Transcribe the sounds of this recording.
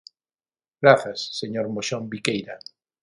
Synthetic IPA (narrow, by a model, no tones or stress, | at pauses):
ɡɾaθasːeɲoɾmoʃombikejɾa